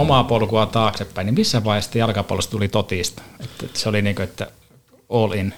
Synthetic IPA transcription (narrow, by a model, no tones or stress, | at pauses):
omɑpolkuɑt̪ɑːksepːæinimisːæʋʋɑˑihest̪ːæjɑlkɑpo̰olest̪t̪ulit̪ot̪iˑst̪et̪ːseoliniːŋkøet̪ːæ̰ | olin